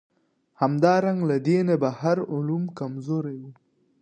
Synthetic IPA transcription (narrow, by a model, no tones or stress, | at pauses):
hamd̪ɑɾaŋɡlad̪enabahaɾʊlumkamzoɾawi